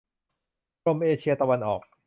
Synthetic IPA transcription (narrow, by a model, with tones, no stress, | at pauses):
o˧mʔeː˧t͡ɕʰi˧ɐt̪a˧wa˧nʔɔː˨˩k̚